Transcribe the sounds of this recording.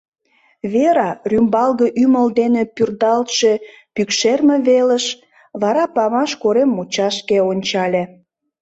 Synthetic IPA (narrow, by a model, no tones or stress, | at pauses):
βeɾɑrymbɑlɣəʔyməld̪enepyrd̪ɑlt̪ʃe | pykʃermĕβelə̆ʃ | βɑɾɑpɑmɑʃkoɾemːut͡ɕɑʃkeonʲt͡ɕɑlʲe